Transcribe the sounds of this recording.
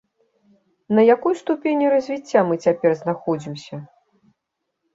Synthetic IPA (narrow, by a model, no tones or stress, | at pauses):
nɐjakɔjst̪upʲenʲiɾɐzʲvʲit͡sʲːamɨt͡sʲapʲɛrznaxɔd͡zʲimsʲɐ